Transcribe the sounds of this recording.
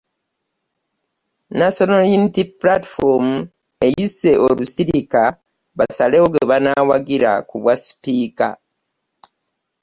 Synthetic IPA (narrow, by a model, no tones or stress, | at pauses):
nasonaljunitiplati̥fomu | e̞jise̞ʔolusiɾika | βasaleoɡeβanawaɡiɾa̰kuβwasi̥piːka̰